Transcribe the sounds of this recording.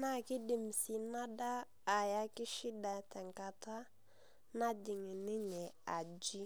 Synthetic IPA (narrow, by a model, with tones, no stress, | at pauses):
na˦ki˦di˨m˨si˨na˦daː˦˨ | ja˦ki˦ʃi˦da˨tɛ˨ŋka˨ta˦ | na˦di˨ŋi˨ni˦ɲɛ˨a˨d͡ʒi˦